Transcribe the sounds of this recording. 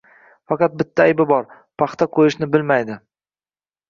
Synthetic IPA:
fɑqɑt̪̚bɪt̪ʰːaajbɪbɒɾ | pʰɑχt̪ʰaqʰojɪʃnɪbɪlmajd̪ɪ

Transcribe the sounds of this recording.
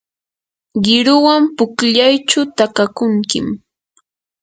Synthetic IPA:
ɢɪɾʊwampʊkʎajt͡ʃʊt̪akakʊŋkɪm

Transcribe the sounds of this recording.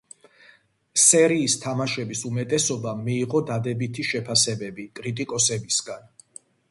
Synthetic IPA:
sɛɾiːst̪ʰamaʃɛbisumɛt̪ʼɛsɔbamiːʁɔd̪ad̪ɛbit̪ʰiʃɛpʰasɛbɛbikʼɾit̪ʼikʼɔsɛbisɡan

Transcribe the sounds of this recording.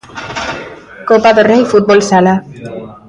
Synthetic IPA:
kopaðorejfut̪̚bolsala

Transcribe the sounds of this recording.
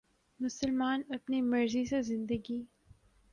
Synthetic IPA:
mʊsəlmaːnɐpnimɐɾzisezɪ̃nd̪əɡi

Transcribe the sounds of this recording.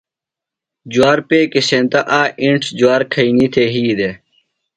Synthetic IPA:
d͡ʑuaːɾpeːkesẽnt̪ɐʔaːʔĩɳʈʰd͡ʑuwaːɾkʰɐinit̪ʰeɦiːd̪e

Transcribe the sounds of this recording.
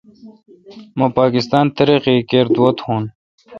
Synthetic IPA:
mãpaːkɪst̪aːnt̪ɐɾiqikeːɾd̪wɐt̪hũːn

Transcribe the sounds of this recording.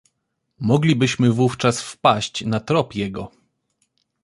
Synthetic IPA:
mɔɡlʲibɘɕmɘvuft͡ʂasfpaɕt͡ɕnat̪ɾɔpjɛɡɔ

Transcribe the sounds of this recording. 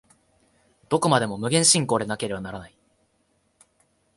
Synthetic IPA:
d̪̥o̞ko̞mad̪e̞mo̞mɯ̟ɡẽ̞ɰ̃ɕĩŋko̞ːd̪e̞nake̞ɾe̞banaɾanai

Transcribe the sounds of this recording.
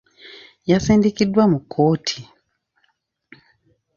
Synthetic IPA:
jasiːndikidwamukʰːoːtʰi̥

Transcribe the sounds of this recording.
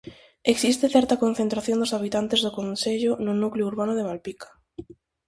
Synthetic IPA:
eksist̪eθɛɾt̪akon̟θẽnt̪ɾaθjõnd̪ʊsaβit̪ant̪ezðʊkonseʎʊnʊnukleuɾβanʊðemalpikḁ

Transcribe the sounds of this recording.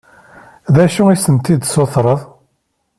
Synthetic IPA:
ðæʃuisənt̪id̪soθɾˤəðˤ

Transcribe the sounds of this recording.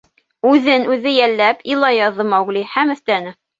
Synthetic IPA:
ʉðɘnʉðɘjælːæpilˠɑjɑðɤmæwɡlihæmɵ̆θt̪ænɘ

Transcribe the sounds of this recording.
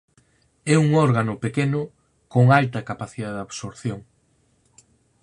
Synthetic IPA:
ɛuŋɔɾɣanʊpekenʊ | koŋalt̪ɐkapaθiðaðaβsoɾθjoŋ

